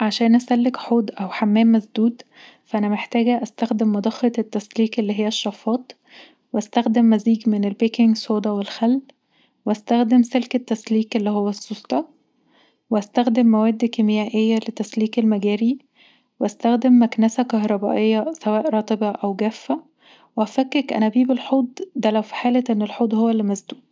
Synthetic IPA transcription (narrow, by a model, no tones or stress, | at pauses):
ʕaʃæːnʔæsælːekħoːd̪ʔæwħamːæːmːæsd̪uːd̪ | fæʔænæmeħt̪æːɡæʔæst̪æxd̪emːɑd̪ˤɑxɑt̪et̪ːæsliːkʔelːiːɦejːæʃːɑfːɑːt̪ | weʔæst̪æxd̪emːæziːɡmenelbekeŋɡsoːd̪ˤɑwelxælː | weʔæst̪æxd̪emselket̪ːæsliːkʔelːiːhowːæsːost̪ˤɑ | weʔæst̪æxd̪emːæwæːd̪ːkemejæːʔejːælet̪ːæsliːkelmæɡæːɾi | weʔæst̪æxd̪emːæknæsækɑɦɾˤɑbæ̰ʔejːɑsæwæːʔɾˤɑːt̪ˤebɑʔæwɡæfːæ | weʔæfækːekʔæ̰næbiːbelħoːd̪ˤd̪ælæwfi̥ħaːlæʔenːelħoːd̪ˤhowːælːemæzd̪uːd̪